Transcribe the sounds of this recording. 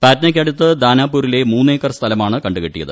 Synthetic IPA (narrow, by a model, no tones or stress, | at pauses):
paːtnɐk̬ʲːɐɽut̪ːɨd̪aːnaːp̬ːuːɾile̞muːnːeːkːɐrst̪ʰɐlɐmaːɳɨkɐɳɖɨkeʈːijɐ̰ðɨ